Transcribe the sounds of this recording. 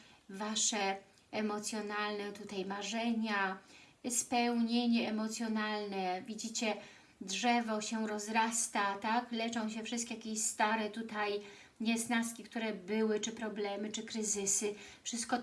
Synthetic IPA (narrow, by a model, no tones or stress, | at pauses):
vaʂɛ | ɛmɔt̪sʲjɔnalnɛt̪ut̪ajmaʐɛɲa | spɛwɲeɲɛɛmɔt̪sʲjɔnalnɛvʲid͡ʑit͡ɕɛ | dʐɛvɔɕɛɾɔzɾast̪at̪aklɛt͡ʂɔ̃w̃ɕɛfʂɘst̪kʲejakʲeɕst̪aɾɛt̪ut̪aj | ɲɛznaskʲik̚t̪uɾɛbɘwɘt͡ʂɘpɾɔblɛmɘt͡ʂɘkɾɘzɘsɘfʂɘst̪̚kɔ